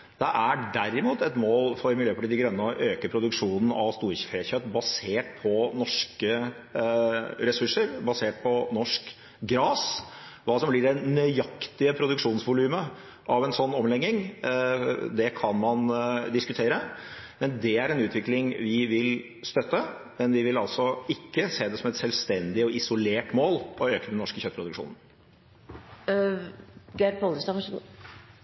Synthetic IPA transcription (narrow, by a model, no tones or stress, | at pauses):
d̪̥ɛʔæɖæɾːɪmuːt̪ɛt̪moːlfɔɾmɪljøːpʰfɔʈiːd̪ɪɡɾœnːəɔʔøːkəpʰɾʊd̪ʉkʂuːnn̩ɑ̰ʋst̪uːɾçəfɾeːçœt̪bɑseːʈ̚pʰɔnɔʂkə | ɾɛsʉʂːəɾbɑseːʈ̚pʰɔnɔʂk | ɡɾɑːsʋɑːsɔmbliːɖɛnœʏɑkt̪ɪəpʰɾʊd̪ʉkʂuːnsʋʊlʉːmə | ʔɑʋɛnsɔnːɔmlɛɡːɪŋ | d̪ɛkʰɑnmɑnd̪ɪskʉt̪ʰeːɾəmɛnd̪ɛæɾɛnʉːt̪ʰʋɪklɪŋʋɪʋɪl | st̪œt̪ːə | mɛnʋɪʋɪlɑlsɔɪkːəseːd̪ɛsɔmɛt̪sɛlʋst̪ɛnd̪ɪɔɪsʊleːʈmoːlɔøːkəd̪ɛnːɔʂkəçœt̪pʰɾʊd̪ʉkʂṵːnən̩ | ɡɛɾpʰɔləsɑʋɑʂɡu